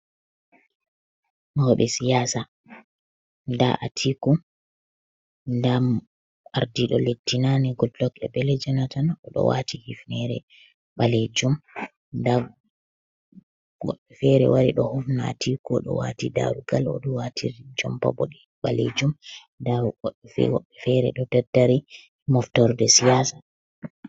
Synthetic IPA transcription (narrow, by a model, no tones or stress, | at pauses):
mawɔɓɛsijaːsa | nda̰ʔatʰikɔ | ndam | aɾdiɗɔletːinaniɡɔllɔkɛ̰bɛlɛd͡ʒanatanaʔɔɗɔ̰wa̰tihifnɛɾɛ̰ | ɓaled͡ʒum | nda | ɡɔɗɛfɛɾɛ̰waɾiɗɔhɔfna̰tʰikɔɗɔ̰watida̰ɾuɡalɔ̰ɗɔwatʰiɾd͡ʒɔmpa̰bɔ̰ɗɛ | ɓalḛd͡ʒumndaɔɗɛfɛ̰wɔɓɛfɛɾɛ̰ɗɔtɛdaɾi | mɔftɔɾdɛsijasḁ